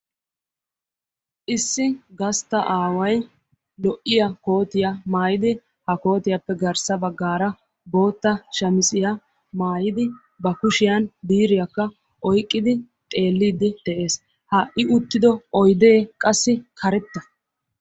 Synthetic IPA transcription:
ʔɪsːɪɡɐst̪ːɐʔaːwɐj | lɔʔːɪjɐko̞ːt̪ɪjɐmaːjɪd̪ɪ | hɐko̞ːt̪ɪjɐpːɛɡɐɾsɐbɐɡːaːɾɐ | bo̞ːt̪ːɐʃɐmɪsʼɪjɐ | maːjɪd̪ɪ | bɐkʊʃɪjɐnbiːɾɪjɐkːɐ | ʔɔjkʼːɪd̪ɪ | t̪ʼe̞ːlːiːd̪ɪd̪̥ɛʔe̞ːs | hɐʔɪʊt̪ːɪd̪ɔɔjd̪eːkʼɐsːɪkʰɐɾɛt̪ːɐ

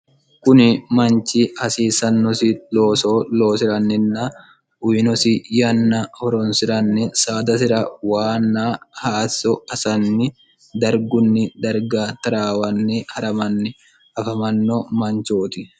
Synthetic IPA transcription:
kʊnɪmɐnt͡ʃihɐsiːsɐnːɔsɪloːsoːloːsɪɾɐnːɪnːɐ | ʊjɪnɔsɪjɐnːɐhɔɾɔnsɪɾɐnːɪsaːd̪ɐs̬ɪɾɐwaːnːaːhaːsɔɐsɐnːɪ | d̪ɐɾɡʊnːɪd̪ɐɾɡaːt̪ɐɾaːwɐnːɪhɐɾɐmɐnːɪ | ɐfɐmɐnːomɐnt͡ʃoːt̪ɪ

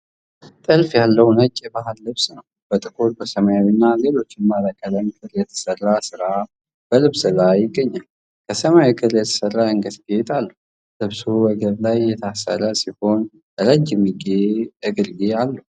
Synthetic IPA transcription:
t̪ʼɨlfjalːəwnət͡ʃʼːebahɨlːɨβsnəw | b̥ət̪ʼɨkʰuɾbəsəmajawinːale̞lo̞t͡ʃːɪnmaɾəkʼələmkʰɨɾjɛt̪ʰə̥sərːasɨɾa | b̥əlɨβsɨlajɪɡːəɲːal | kʰəsəmawikʼʰɨɾjɛt̪ʰə̥sərːaɨŋɡəsɡijet̪ʼalːə | lɨβsuwəɡəɾlajːɛt̪ʰasə̰ɾəsiho̞n | əɾəd͡ʒɪmiɡeɨɡɨɾɡealːəh

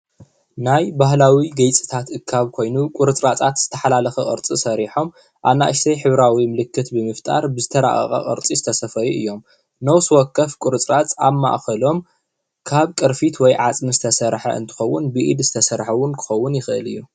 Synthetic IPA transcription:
najbaɦlawiɡɐjt͡sʼi̥t̪ʰat̪ʔɨkʰːaβkʰo̞jnukʼʊɾɨt͡sʼɾat͡sʼat̪z̥ɨt̪ʰɐ̥ħalalɐxɐkʼɨ̰ɾt͡sʼisɐɾiħo̞m | ʔaβna̰ʔɨʃsɐjħɨβɾawimɨlɨkʰːɨt̪bɨmɨft̪ʼa̰ɾbɨzɨt̪ʰɐɾa̰ʔʼɐ̰xʼɐ̰ʔʼɨ̰ɾt͡sʼizɨt̪ʰɐsɐfɐjuʔɨjːo̞m | nɐwswɔkʰːɐfkʷʼuɾɨt͡sʼɾat͡sʼa̰βma̰ʔxɐlo̞m | kʰaβkʼɨɾfit̪wɔjʕat͡sʼmɨzɨt̪ʰɐsɐɾħɐ̰ɨ̰nt̪ʰɨ̥xɐwːʊnbɨʔḭd̪zɨt̪ʰɐsɐɾħɐwːʊnkʰɨ̥xɐwːʊnjɪxɨʔɨlɨ̰jːu

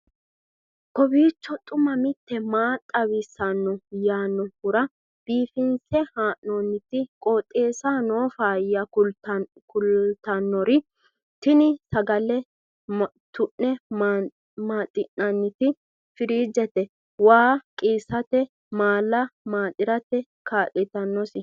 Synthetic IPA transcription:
kɔbiːt͡ʃːɔt̪ʼʊmɐmɪt̪ːɛmaːt̪ʼːɐwɪsɐnːɔjaːnːɔhʊɾɐ | b̥iːfɪnsɛhaːʔoːnːɪt̪ɪkʼoːt̪ʼːeːsaːnoːfaːjɐʊ | kʊlt̪ɐnːɔɾɪ | t̪ɪnɪsɐɡɐlɛ | t̪ʊʔːɛ | maːt̪ʼɪnːɐnːɪt̪ɪ | fɪɾiːd͡ʒɛt̪ɛ | waːkʼiːsɐt̪ɛ | maːlːɐmaːt̪ʼɪɾɐt̪ɛ | kaːʔɪt̪ɐnːɔsɪ

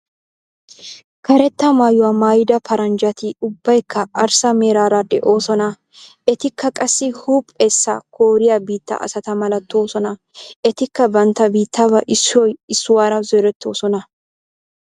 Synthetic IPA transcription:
kɐɾɛt̪ːɐmaːjʊwamaːjd̪ɐpʰɐɾɐnd͡ʒɐt̪ɪʊbːɐjkʰːɐɐɾsɐmeːɾaːɾɐd̪ɛ̰ʔo̞ːsɔnɐ | ɛt̪ɪkːɐkʼɐsːɪhuːpʼːesːɐ̰kʰoːɾɪjabiːt̪ːɐ̰ʔɐ̰sɐt̪ɐmɐlɐt̪ːoːsɔnɐ | ɛt̪ɪkːɐbɐnt̪ːɐbiːt̪ːɐbɐʔɪsːɔjɪsːʊwaːɾɐzɔɾɛt̪ʰːo̞̰ːsɔnɐ

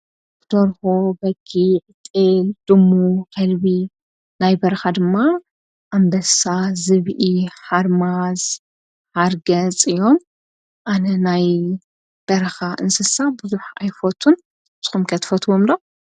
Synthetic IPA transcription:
d̪̥oɾxobɐɡiʕɨt̪ʼɨld̪̥ɨmːukʰɐlbi | najbɐɾɐxad̪ɨmːa | ʔambɐsazɨβʔiħaɾmaz | ħaɾɡɐt͡sʼɨjːo̞m | ʔanɐnaj | b̥ɐɾɐxaʔɨnsɐsabɨzuħajfot̪ʰːun | t̪ʰɨ̥xumkʰɐt̪ʰfɐt̪ʰwomd̪o

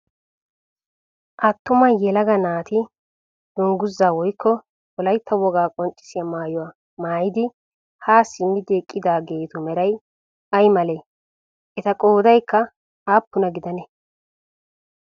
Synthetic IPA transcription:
ʔɐt̪ːʊmɐjɛlɐɡɐnaːt̪ɪ | d̪̥ʊŋɡʊzːaːwɔjkʰːɔ | wɔlɐjt̪ʰːɐwɔɡaːkʼɔnt͡ʃʼːɪ̥sɪjɐmaːjɔwa | maːjɪd̪ɪ | haːsɪmːɪd̪eːkʼːɪd̪aːɡeːt̪ʊmɛɾɐj | ɐjmɐle | ɛt̪ɐkʼoːd̪ɐjkːɐ | aːpːʊnɐɡɪd̪ɐnɛ

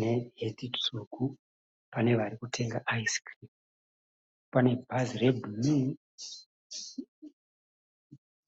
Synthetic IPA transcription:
neɦetit͡sukʰu | pane̞ʋaɾikutʰe̞ŋɡaʔaiskri | pane̞bʱazirebumi

